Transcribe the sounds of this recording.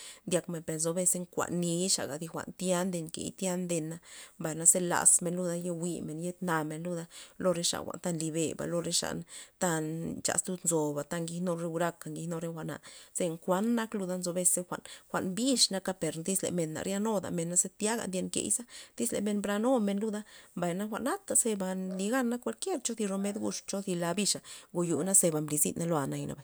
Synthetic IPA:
nd̪ʲa˧kme˨npe˨ɾnzo˧be˧se˧ŋkʷa̰˨ʔnːi˧˦ʂa̰˨ɡa˨d̪i˧xʷa̰˧˨nt̪ja˦nd̪e˧ŋkḛ˨jt̪ja˦nd̪e˧nːa˧mba˨jna˧se˦˧la̰˨sme˧nlu˧d̪a˧je˧wi˧me˨nje˦t̪na˧me˨nlu˦d̪a˧lo˧ɾe˧˦ʂa̰˨xʷa̰˨nt̪a˧nli˧be˨ba̰˨lo˧ɾe˧ʂa̰˧˨nt̪a˧nt͡ʃa̰˧˨st̪u˧d̪nzo˨ba˨t̪a˧ŋɡi˧no˧ɾe˧u˧ɾa˧ka˨ŋɡi˧hno˧ɾe˧xʷa˧ʔna̰˨se˧ŋkʷa˧˦nːa˦klu˧d̪a˧nzo˧be˧se˧xʷa˨ʔnxʷa̰˨ʔnbi˦ʂna˧ka˧pe˨ɾnd̪i˦slḛ˨me˨nːa̰˨ɾja˧no˦d̪a̰˨me˧nːa˦se˦t̪ja˦ɡa̰˨nd̪je˧nkḛ˧˨jsa˦d̪̥i˦slḛ˨me˧nbɾa˧no˦me˧nlu˦d̪a˦mba˨jna˦xʷa˧˨ʔna˦t̪a˨se˧ba˧nli˧ɡa˦nːa˦kʷa˧lkje˦ɾt͡ʃo˦d̪i˧ɾo˧me˦d̪ɡu˧ʂt͡ʃo˦d̪i˧la˧bi˧ʂa˨ɡo˧ju˨na˦se˧ba˨mbli˧zḭ˦na˧lo˧a˧˨na˧jna̰˧ba˨

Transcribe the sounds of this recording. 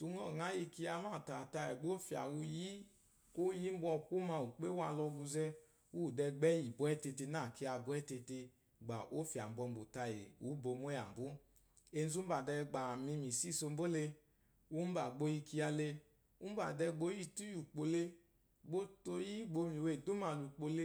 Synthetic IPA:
tu˧˦ŋɔ˦˨ŋa˨˦ji˧ki˧ja˧ma˦˨ta˨ta˧jɛ˨ɡ͡bo˦fi˨a̰˨wu˧ji˦ | ko˦ji˦m̩˦bɔ˧˨ku˦ma˧u˨k͡pe˦wa˧˨˧lɔ˧ɡu˧zɛ˦˧ | wu˦˨dɛ˧ɡ͡bɛ˦ji˨bɔ˨˦ɛ˦te˧te˧na˦˨ke˧a˧bɔ˧˦ɛ˦te˧te˧ | ɡ͡ba˨ʔo˦fi˨a˨m̩˨˦bɔ˧m̩˦bo˨ta˧je˨u˨˦bo˧mo˦a˨bu˦ | e˧n˦zu˦ba˨dɛ˧ɡ͡ba˨mi˧mi˨si˦˨so˧m̩˦bo˦le˧ | u˦m̩˦ba˨ɡ͡bo˧ji˧ki˧˦a˧le˧ | u˦ba˨dɛ˧ɡ͡bo˦ji˦˨tu˦ju˨k͡po˧le˧ | ɡ͡bo˦to˧ji˦ɡ͡bo˧mi˨we˨du˦ma˧˨lu˨k͡po˧le˦

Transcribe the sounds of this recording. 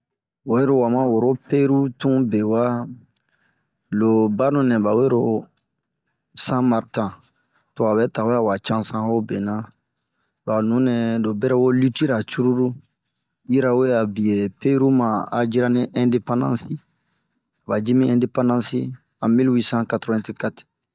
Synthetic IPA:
wo˨˦e˦ɾo˨wa˨mã˦wo˨ɾo˦pe˦ɾu˦tũ˦be˨wa˦ | lo˨ba˦nũ˨nɛ̃˨ba˨we˦ɾo˦ | sã˦ma˨ɾtã˨ | to˨a˨bɛ˦ta˨we˦a˨wa˨t͡ʃã˦sã˦o˦be˨nã˦ | la˨nũ˨˦nɛ̃˨do˨bɛ˦ɾɛ˦wo˦li˦ti˦ɾa˨t͡ʃu˦ɾu˦ɾu˦ | ji˦ɾa˦we˦a˨bi˨je˨pe˦ɾu˦mã˨a˨d͡ʒi˦ɾa˦nĩ˦ʔɛ̃de˦pã˦ndã̰˦si˦ | a˨ba˨d͡ʒi˦mĩ˦ɛ̃nde˦pã˦ndã˦si˦ | ã˨mi˦lwi˦sã˦katɾo˦ɛ̃˦ti˦ka˦ti̥˨

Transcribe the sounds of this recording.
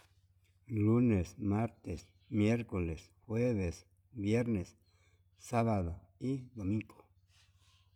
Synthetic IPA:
lu˦ne˨sma˦ɾt̪e˨s | mje˦ɾko˨le˨s | xwe˦βe˨s | bje˦ɾne˨s | sa˦βa˨d̪o˨i˦d̪o˨mĩ˦ŋɡo̥˨

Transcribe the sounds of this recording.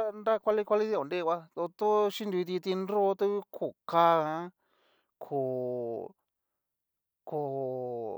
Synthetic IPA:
a˦nɾa˦kʷa˧li˦kʷa˧li˦ði˦˧o˨nde˦˧kʷa˧t̪o˧t̪o˦ʃi˦nd̪u˧i˧t̪i˧t̪i˧nɾo˦t̪u˦βi˦kʰo˨ka˧ã˧˦ | kʰo˨ | kʰo˧˨

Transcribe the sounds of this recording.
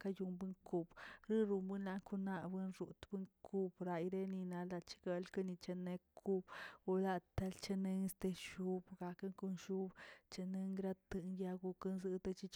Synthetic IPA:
ka˦˧ju˧mbɨ˦ŋku˧b̥ɾɨ˦ɾu˧mbɨ˦nla˧ŋku˦na˧bɨ˦nɾu˨t̪bɨ˦ŋkʰu˦bɾa˧jɾe˦ni˧na˧la˧t͡ʃi̥˧ɡe˧lka˦ni˧t͡ʃe˧ne˧kʰu˦b̥u˧la˦˧t̪a˧lt͡ʃe˧ne˧ŋ˦st̪e˧ʃu˦bɡa˧kɨ˦ŋku˧nʃu˦bt͡ʃe˧nɨ˧ŋɡɾa˦t̪ɨ˧nja˧ɡu˧kɨ˦nzɨ˧t̪a˧t͡ʃi˧t͡ʃ

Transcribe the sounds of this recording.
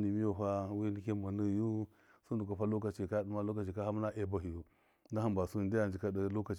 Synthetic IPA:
ni˨mi˦jo˨ɸa˦wi˦ni˦ke˦ma˨nə˦˨ju˦ | su˦n˦du˨ka˨ɸa˦lo˦ka˨t͡ʃi˨ka˦di˦ma˦lo˦ka˨t͡ʃi˨ka˦ha˦mna˦ʔe˦˨ba˨ɦi˨ju˦ | da˦a˦mba˨su˦˨ndi˦ja˨nd͡ʒi˨ka˦də˦lo˦ka˨t͡ʃ

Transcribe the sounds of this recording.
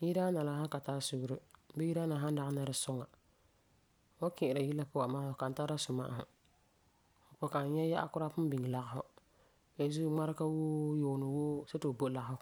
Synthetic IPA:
ji˦ɾa˦na˨la˨˦ɦa˦ka˨taː˦su˦ɡʊ˦ɾɨ˦be˦ji˦ɾa˦na˨ɦa˦n˦da˦na˦ɾɨ˦sʊ˦ŋa˨ | wo˦kɪ˨ɪ˨ɾa˨ji˦lːa˦pʊ˦wa˨maː˦hʊ˨ka˨n̩˨ta˦ɾa˦su˨ma̰ː˦ʔɦʊ̰˨ | o˨po˦ka˨n˦ɲɛ˦ja˦ʔa̰˦kʊ˦ɾa˦pʊ˦m˦bi˨ŋ˨la˨ɣa˨ɦʊ˦ | e˨zu˦ŋ͡ma˦ɾka˦woː˦joː˨nɨ˨woː˦se˦to˨bo˦˨la˨ɡhʊ˦

